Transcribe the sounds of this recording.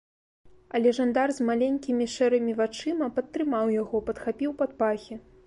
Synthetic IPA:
ɐlʲɛʐand̪arzmalʲenʲkʲimʲiʂɛɾɨmʲivat͡ʂɨmɐpɐt̪ːɾɨmawjaɣɔpɐt̪xapʲiwpat̪̚paxʲi

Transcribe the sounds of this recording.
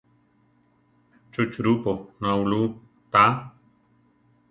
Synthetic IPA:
t͡ʃut͡ʃɾupoŋãulu | t̪a

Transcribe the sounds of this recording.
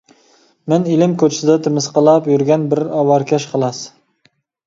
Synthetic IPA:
mɪnɪlɪmkʲʰot͡ʃʰɪ̥sɪd̪ɛt̪ʰɪmɪsqʰəlˠɑpjyɾɡʲɛnbɪɾɑwɑɾkʲʰɛʃqʰəlˠɑs

